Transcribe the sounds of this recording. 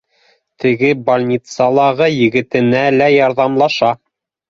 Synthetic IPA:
t̪ɘ̆ɡɘbɑlʲnʲit̪sɑlˠɑʁɤjɘ̆ɡɘ̆t̪ɘ̆nælæjɑɾðɑmlˠɑʃɑ

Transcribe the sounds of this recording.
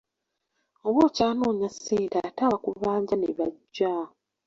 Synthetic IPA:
oβo̞ːcaːnoːɲasːeːdataβakuβaːɲɟaneβaɟːa

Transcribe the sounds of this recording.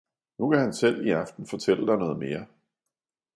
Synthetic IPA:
nukʰæhænsel̰iɑ̈fd̥n̩fɒ̽t͡sʰel̰əd̥ɑ̈ɪnɔ̽ːð̞̩ˠme̝ːɐ

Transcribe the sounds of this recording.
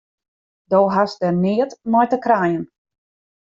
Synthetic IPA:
doːɦasdɛrnɪətmɔjtəkrajən

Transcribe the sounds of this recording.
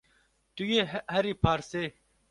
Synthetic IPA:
t̪uɡehɐɾipʰaɾse

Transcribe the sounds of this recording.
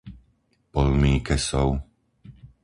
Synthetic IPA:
pɔlmiːkɛsɔʊ

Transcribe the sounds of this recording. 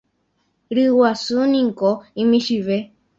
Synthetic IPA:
ɾɨwasunĩŋkoĩmĩʃiʋe

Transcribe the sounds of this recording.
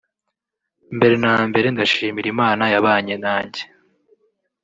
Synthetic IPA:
mbe̞ɾe̞naːmbe̞ɾe̞ndaʃiːmiɾimaːnajaβaːɲe̞naːɲɟe̥

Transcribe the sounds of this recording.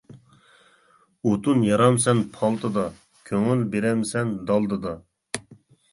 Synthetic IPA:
ot̪unjɑɾɑmsɛnpʰɑlˠt̪ɨd̪ɑ | kʲʰøŋylbeɾɛmsɛnd̪ɑlˠd̪ɨd̪ɑ

